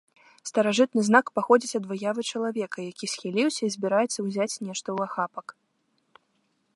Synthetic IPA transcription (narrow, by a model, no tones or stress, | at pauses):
st̪ɐɾaʐɨt̪̚nɨznakpaxɔd͡zʲit͡sʲɐd̪vɨjavɨt͡ʂɐlˠavʲɛkɐjakʲisʲxʲilʲiwsʲɐizʲbʲiɾajɛt̪sːɐwzʲat͡sʲnʲɛʂt̪ɐwaxapɐk